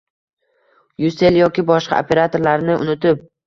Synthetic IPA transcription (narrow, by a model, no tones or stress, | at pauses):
juse̞ljɒkʲɪbɒʃqɑ̰o̰pʰe̞ɾat̪ʰo̞ɾlaɾnɪʊ̰nʊt̪ɪp̚